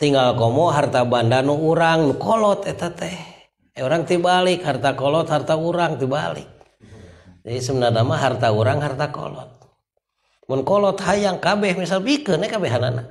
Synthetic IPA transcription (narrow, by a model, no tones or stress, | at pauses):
t̪iŋɡalkomɔɦart̪abandanuuɾaŋnukɔlɔt̪ɛt̪at̪ɛh | euɾaŋt̪ibalikhart̪akɔlɔt̪hart̪auɾaŋt̪iba̰lḭk̚ | d͡ʒadisəmənadamaɦart̪auɾaŋɦart̪akɔ̰lɔ̰t̪̚ | munkɔlɔt̪hajaŋkabɛhmisalbikɨnɛkabɛɦanana̰